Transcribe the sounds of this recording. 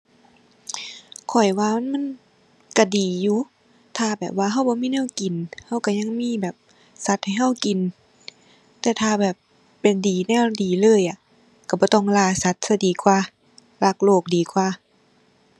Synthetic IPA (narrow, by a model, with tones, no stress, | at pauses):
kʰɔ˨˩jwaː˧ma˧˥˨nma˧˥˨n | ka˧˩diː˨˩juː˧˦ | t̪ʰaː˧bɛː˨˩p̚waː˧ɦa˧˩wbɔː˧˦miː˧˥˨nɛː˧˥˨wki˨nha˧˥˨wka˧˩ɲa˧˨ŋmiː˧˥˨bɛː˨˩p̚ | sa˧˦t̪̚ha˨˩jɦa˧˥˩wki˨n | t̪ɛː˧t̪ʰaː˧bɛː˨˩pː | e˨˩ndiː˨˩nɛː˧˩˨wdiː˨˩lɤː˧˨jʔa˧˨ | ka˧˩bɔː˧˦t̪ɔ˧˩ŋlaː˧˩sa˧˦t̪̚sa˧˩diː˨˩kʰwaː˧ | la˧˩k̚loː˧˩k̚diː˨˩kʰwaː˧˩˨